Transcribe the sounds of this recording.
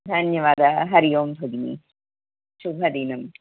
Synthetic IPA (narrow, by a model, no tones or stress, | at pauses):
d̪ʱanjɐʋaːd̪ɐɦɐɾijoːmbʱɐɡnḭ | ʃubʱɐd̪inɐm